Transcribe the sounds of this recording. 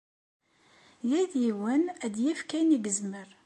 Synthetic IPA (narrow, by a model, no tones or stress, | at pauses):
jiðjiwənæd̪jifkæjniɡəzməɾ